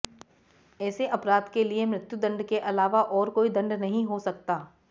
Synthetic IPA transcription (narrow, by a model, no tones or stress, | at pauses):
ɛːseʔɐpɾaːd̪keliemɾɪt̪jud̪ɐ̃ɳɖkeʔɐlaːʋaʔɔːɾkoːid̪ɐ̃ɳɖnɐɦĩɦosɐk̚t̪aː